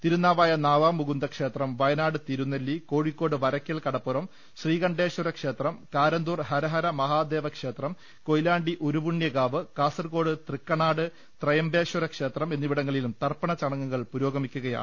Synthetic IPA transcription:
t̪iɾunːaːʋaːjɐnaːʋaːmːuɡund̪ɐkʂe̞ːt̪rɐmʋɐjɐnaːɽɨt̪iɾunːɐlːiko̞ːɻikːo̞ːɽɨʋɐɾɐkʲːɐlkɐɽɐpːuɾɐm | ɕriːɣɐɳɖe̞ːʂuɾɐkʂe̞ːt̪rɐmkaːɾɐnd̪uːrɦɐɾɐɦɐɾɐmɐɦaːd̪e̞ːʋɐkʂe̞ːt̪rɐm | ko̞jlaːɳɖiʔoɾubuɳːjɐɡaːʋɨkaːsɐrko̞ːɽɨt̪rikːɐɳaːɽɨ | t̪rɐjɐmbeːʂɐɾɐkʂe̞ːt̪rɐme̞nːiʋiɽɐŋːɐɭilumt̪ɐrpɐɳɐt͡ɕɐɳɐŋːɐŋːɐɭpuɾo̞ːɡɐmikʲːuɣɐja̰ːɳɨ

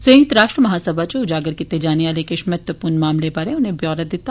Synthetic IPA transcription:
səə̃ŋɡt̪ɾaːʃʈɾəmɐɦaːsəbʱat͡ʃoʊd͡ʒaːɡəɾkit̪ed͡ʒaːneʋaːlekɪʃmɐt̪wəpuːɾnmaːmlebaːɾẽʊnɦẽbjɔːɾət̪d̪ɪt̪a

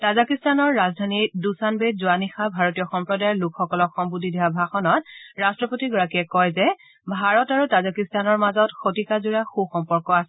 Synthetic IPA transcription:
tazakistanɔɹːazdʱanidusanbezuanixabʱaɹotijɔxɔmpɹɔdajɔlukxɔkɔlɔkxɔmbudʱidʱiwabʱaxɔnɔt̚ɹastɹɔpotiɡɔɹakiɛkɔjzɛ | bʱaɹɔtaɹutazakistanɔɹmazɔtxotikazuɹaxuxɔmpɔɹkɔasɛ

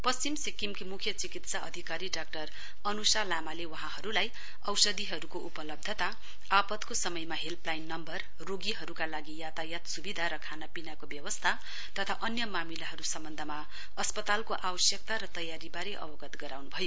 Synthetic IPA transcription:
pʌst͡simsikimkimukʰjʌt͡sikit̪saʔʌ̰d̪ʱikaɾiɖak̚ʈʌr | ʌnusalamalewʌɦãhʌɾulaj | ʌwsʌd̪ʱiɦʌɾukoʔupʌlʌb̚d̪ʱʌt̪a | apʌt̪kosʌmʌjmaɦelplajnːʌmbʌr | roɡiɦʌɾukalaɡijat̪ajat̪subid̪ʱaɾʌkʰanapinakobjʌwʌst̪ʰa | t̪ʌt̪ʰaʔʌnjʌmamilaɦʌɾusʌmbʌnd̪ʱʌma | ʌspʌt̪alkoʔawʌsjʌk̚t̪aɾʌt̪ʌjaɾibaɾeʔʌ̰bʌɡʌt̪ɡʌɾawnubʱʌjo

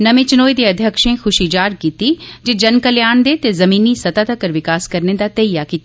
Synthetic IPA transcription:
nɐmẽːt͡ʃɪnoːid̪eːɐd̪ʱjəkʃẽxʰʊʃid͡ʒaːɾkiːt̪id͡ʒed͡ʒɐnkəljaːnd̪et̪ezɐmiːnisɐt̪aːt̪ɐkəɾʋɪkaːskɐɾned̪aːt̪ɐijakiːt̪a

